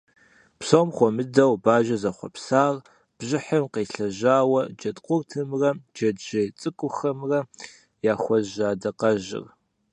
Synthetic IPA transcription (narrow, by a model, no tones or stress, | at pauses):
psoːmχʷɔmɨdɐwbaːʒɐzɐχʷɔ̰psaːr | b̥ʑɪħəmqeːɬɐʑaːwɐd͡ʒɐtʼqʷʼʊrtʰɨmrɐd͡ʒɐdʒɐt͡sʼɨkʷʼʊxɐmrɐ | jaːxʷɔʒaːdɐqɐʒɪ̰r